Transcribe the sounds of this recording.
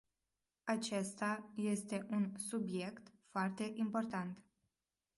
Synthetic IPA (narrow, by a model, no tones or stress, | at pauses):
at͡ʃe̞st̪aje̞st̪e̞ʔunsubje̞kt̪foart̪e̞ʔimpo̞rt̪ant̪